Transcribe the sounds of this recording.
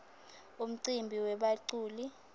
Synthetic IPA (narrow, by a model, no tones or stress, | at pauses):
um̩ǀimbʱiwɛɓaǀuːli